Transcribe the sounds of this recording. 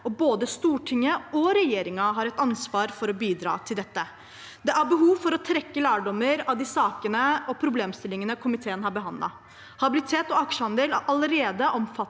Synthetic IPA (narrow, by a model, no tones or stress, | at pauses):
ɔboːd̪əst̪uːʈʰɪŋːəɔɾɛjeːɾɪŋɑɦɑɾɛt̪ɑnsʋɑːɾfɔɾɔbiːd̪ɾɑ̰ːt̪ʰɪld̪ɛt̪ːə | d̪ɛʔæɾbəɦuːʋfɔɾɔt̪ʰɾɛkːəlæːɖɔmːəɾɑʋd̪ɪsɑːkənəɔpʰɾʊbleːmst̪ɪlːɪŋənəkʰʊmɪt̪ʰeːənhɑɾbəɦɑnlʔɑ̰ | hɑbɪlɪt̪ʰeːt̪ɔɑkʂəhɑnd̪eːlæʔɑləɾeːd̪əʔɔmfɑt̪